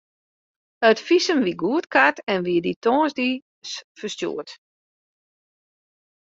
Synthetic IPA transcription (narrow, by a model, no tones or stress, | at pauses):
œtfisənʋiɡuətkʰatɛnʋiəditʰɔːnzdi | sfəstjṵət